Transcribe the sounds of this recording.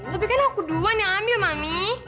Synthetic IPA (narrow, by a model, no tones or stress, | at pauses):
t̪ap̬ikanaakuduanaamimami